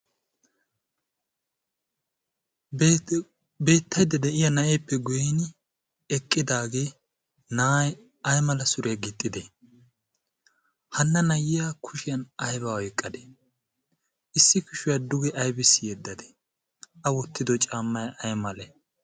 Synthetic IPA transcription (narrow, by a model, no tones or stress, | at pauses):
be̞ːt̪ʰːɐjd̪ɛd̪ɛʔɪjɐnɐʔeːpːɛɡʊjɛn | ɛkʼːɪd̪aːɡe̞ː | naj | ɐjmɐlɐsʊɾɛjɐɡɪt̪ʼːɪd̪ɛ | hɐnːɐnɐjɪjakʰʊʃɪjɐnɐjbɐɔjkʼːɐd̪ɛ̥ | ɪsːɪkʊʃʊjɐd̪ʊɡɛʔɐjbɪsːɪjɛd̪ːɐd̪ɛ̥ | ʔɐwɔt̪ːɪd̪ɔt͡ʃʼaːmːɐjʔɐjmɐlɛ